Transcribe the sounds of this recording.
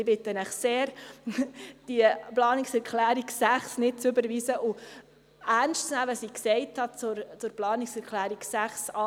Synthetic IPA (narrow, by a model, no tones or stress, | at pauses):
ɪbɪtənæχseːɾ | d̥iəplɑːniksɛɾkʰlæːɾiksæχsnɪt̚t͡sʏbəɾʋiːsəʔʊ | æɾnstt͡snæʋəsiːksɛɪthɑt͡sʊɾt͡sʊɾplɑːniksɛɾkʰlæːɾiksæχsɑː